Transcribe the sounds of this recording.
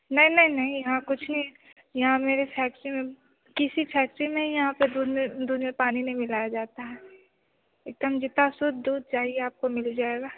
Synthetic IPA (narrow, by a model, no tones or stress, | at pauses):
nɐɦĩnɐɦĩnɐɦĩjɐɦãkʊt͡ʃʰnɐĩ | jɐɦãmeːɾepʰɛːk̚ʈɾimẽ | kɪsipʰɛːk̚ʈɾimẽjɐɦãped̪uːd̪ed̪uːd̪mẽpaːninɐ̃ɦĩmɪlaːjad͡ʒaːt̪aɦɛː | eːk̚d̪əmd͡ʒɪt̪asʊd̪d̪uːd̪̚t͡ʃaːɦieaːp̚komɪld͡ʒaːeɡaː